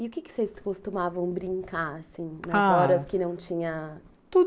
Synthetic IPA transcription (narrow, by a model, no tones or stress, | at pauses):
iʊkɪkɪ̥sejskost̪umavɐ̃w̃bɾĩŋkaɾasĩnɐzɔɾɐskɪnɐ̃w̃t͡ʃĩɲɐ | t̪ud̪